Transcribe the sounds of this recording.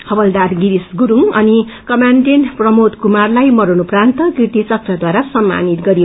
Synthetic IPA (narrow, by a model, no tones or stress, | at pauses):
hʌbʌld̪aɾɡiɾisɡuɾuŋʌni | kʌmanʈenprʌmod̪kumarlajmʌɾunuprant̪ʌkiʈ̪it͡sʌk̪̚rʌd̪waɾasʌmːa̰nit̪ɡʌɾio